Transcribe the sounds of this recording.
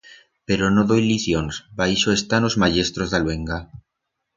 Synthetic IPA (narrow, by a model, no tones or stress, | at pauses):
pe̞ɾonoðojliθjonsbajsoest̪ano̞zmaʝe̞st̪ɾozðalwe̞ŋɡa